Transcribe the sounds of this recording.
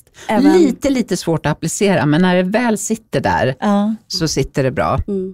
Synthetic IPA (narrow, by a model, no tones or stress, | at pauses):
liːt̪əliːt̪əsvoːʈɔaplɪseːɾa̰mɛnːæɖɛvɛːlsɪt̪ːəɖæ̰ɾsɔsɪt̪ːəɖɛbɾɑ̰ː